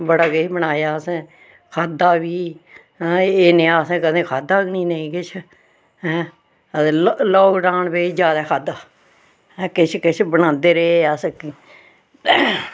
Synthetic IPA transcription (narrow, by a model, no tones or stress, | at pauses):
bəɽaːɡebəɽaːjaːəsẽː | kʰaːd̪aːʋiː | eːneaːəsẽːkəd̪ẽːkʰaːd̪aːɡniːneĩːkɪt͡ʃʰ | ɦɛ̃ː | əslɔːɡɾãːnbeːid͡ʒjaːd̪aːkʰaːd̪aː | ɛːkɪt͡ʃʰkɪt͡ʃʰbənãːnd̪eːɾeəsk